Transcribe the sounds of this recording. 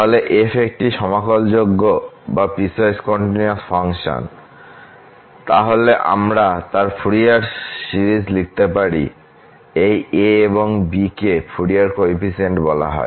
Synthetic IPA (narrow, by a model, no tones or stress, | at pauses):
aɦoleʔefʰek̚ʈiʃɔmakold͡ʑoɡːobapisaeskɔɳʈiniasfʰaŋʃo̰n | t̪aɦoleʔa̰mɾat̪aɾfʰuɾiaɾsiɾid͡ʑlik̚t̪epaɾḭ | ejeeβoŋbikefʰuɾiaɾkoipiseɳʈbɔla̰ɦɔ̰e